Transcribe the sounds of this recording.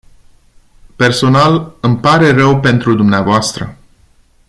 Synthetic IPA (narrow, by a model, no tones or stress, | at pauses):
pe̞rso̞nalɨmpaɾe̞rəwpe̞nt̪ɾud̪umneavoast̪ɾə̰